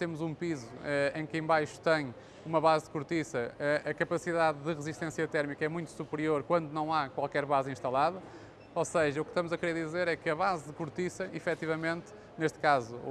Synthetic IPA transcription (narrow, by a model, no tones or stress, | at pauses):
t̪emuzũpizuɛẽj̃kẽbajʃu̥t̪ɐ̃j̃ | umɐβazðɨkuɾt̪isɐɛʔɐkɐpɐsiðaððɨʁɨziʃt̪ẽsjɐt̪ɛɾmikɐɛmũj̃t̪u̥supɾioɾkwɐ̃nd̪unɐ̃w̃akwalˠkɛɾβazĩʃt̪ɐlˠaðɐ | oseʒɐukʃt̪ɐmuzɐkɾeɾðizeɾɛkɨɐβazðɨkuɾt̪isɐifɛt̪ivɐmẽnt̪ | neʃt̪kazṵ